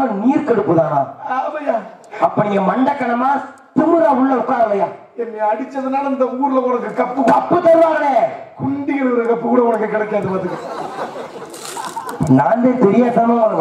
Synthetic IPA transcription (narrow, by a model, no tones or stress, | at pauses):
ɐniːɾkɛɽɯpːɯðãːaamɐjaː | ɐpːɐnɪŋɡɐmɐɳɖɐkːɐɳɐmaː | t̪ɪmɯɣaːʊɭːɐʊkːaːɾɐlɐjaː | ɛnːiɐɽɪt͡ʃːɐðɯnaːlɐɪnd̪ɐuːɾɯlɐkʊnɐkːɯkɐpːɯkkɐpːɯt̪ːɐɾɯʋaːɣɐleːkʊɳɖɪɣɐnɐɐɾɐkɐpːɯkuːɽɐʊnɐkːɐkɪɽɐkːaːðɯmɐt̪ːɯkɐ | naːnd̪eːt̪ɛɾɪjaːt̪ːɐnõːnɐk